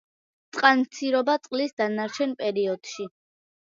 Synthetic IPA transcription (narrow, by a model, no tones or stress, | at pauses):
t̪sʼqʼanmt̪sʰiɾɔbat̪sʼqʼlisd̪anaɾt͡ʃʰɛnpʼɛɾiɔd̪̥ʃi